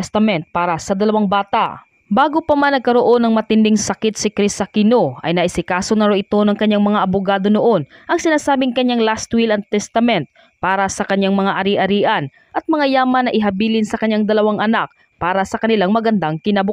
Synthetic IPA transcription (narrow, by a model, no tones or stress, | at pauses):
st̪ɐmɛnt̪̚paːɾɐsɐd̪ɐlɐwaŋbaːt̪a̰ʔ | baːɡopɐmanːɐɡ̚kɐɾo̞ʔo̞nɐŋmɐt̪ɪnd̪ɪŋsɐkɪt̪̚sɪkɾisɐkɪnoʔɐ̰jnɐʔɪsɪkaːsonɐɾoʔɪt̪o̞nɐŋkɐɲːaŋmɐŋaʔɐbʊɡaːd̪o̞noʔo̞nʔɐŋsɪnaːsaːbɪŋkɐɲːaŋlast̪wilɐnt̪ɛst̪ɐmɛnt̪̚ | paːɾɐsɐkɐɲːaŋmɐŋaʔɐɾiʔɐɾiːʔɐn | ʔɐt̪̚mɐŋajaːmɐnːɐʔɪɦɐbiːlɪnsɐkɐɲːaŋd̪ɐlɐwaŋʔɐnak̚ | paːɾɐsɐkɐnɪlaŋmɐɡɐnd̪aŋkɪnabʊ